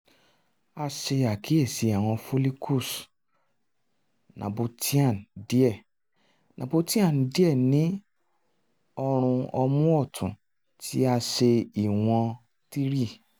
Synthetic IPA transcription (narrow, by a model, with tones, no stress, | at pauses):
a˧ʃe˧a˨ki˨˦e˦˨si˨˧a˨w̃ɔ̃˧fo˦li˦kʰu˦˨s | nã̰˨bo˧tʰi˦ã˦˨n˨di˦ɛ˦˨ | nʔã̰˨bo˧ti˦ã˦˨n˨di˦ɛ˦˨nĩ˨˦ | ɔ˧ɾ̃ũ˧ɔ˧mũ˦ɔ˦˨tʰṵ̃˨ | tʰi˦a˧ʃe˧i˨w̃ɔ̃˧ | ti˦ɾi˦˨